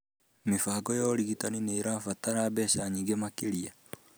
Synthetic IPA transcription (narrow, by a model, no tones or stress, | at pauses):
mefaːɡɔjɔɾiɣitanineːɾafataɾaːbɛːɕaɲiːŋɡemakeɾia